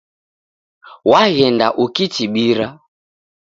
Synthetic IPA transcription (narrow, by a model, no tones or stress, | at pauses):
waɣɛndaʔukitiɓiɾa